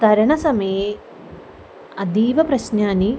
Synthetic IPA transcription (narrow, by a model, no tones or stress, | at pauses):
t̪ɐɾɐɳɐsɐmɐje | ɐd̪iːʋɐpɾɐɕnaːni